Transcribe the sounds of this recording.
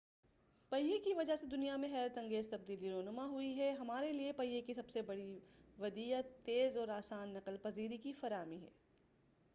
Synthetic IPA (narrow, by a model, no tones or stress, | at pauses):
pɐjjekiʋɐd͡ʒaɦsed̪ʊnijamẽxɛːɾət̪ɐ̃ŋɡeːzt̪ɐb̚d̪iːliɾoːnʊmaɦʊiɦɛɦɐmaːɾeliepɐjːekisɐbsebɐɽiʋɐd̪iːət̪ːeːzɔːɾaːsaːnːɐqəlpɐziːɾikifɐɾaːmiɦɛ̰ː